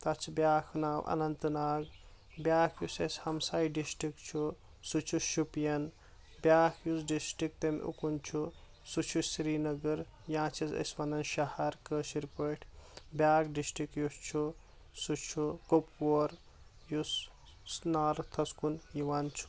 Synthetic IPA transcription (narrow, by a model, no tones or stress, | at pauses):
t̪ɐt͡ʃʰibʲjaːkʰnaːwʔɐ̰nɐnt̪ɨnaːɡ | bjaːkʰjusɐsʲhɐmsaːjiɖisʈikt͡ʃʰu | sut͡ʃʰuʃupjɐn | bʲjaːkʰjus̬ɖisʈik̚t̪emʲʔṵkunt͡ʃʰu | sut͡ʃʰusɾiːnɐɡɐɾ | jãːt͡ʃʰisɐ̰sʲʋɐnɐnʃɐhɐɾkəːʃiɾpəʈʰbjaːkɖisʈɾikjust͡ʃʰu | sut͡ʃʰukopkoːɾ | jus | naːɾt̪ʰɐskunjiʋant͡ʃʰu̥